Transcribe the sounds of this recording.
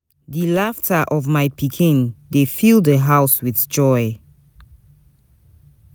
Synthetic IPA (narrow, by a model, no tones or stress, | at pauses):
dilaftʰaʔɔvmaɪpʰikʰĩndefilˠdəɦaʊswiθd͡ʒɔɪ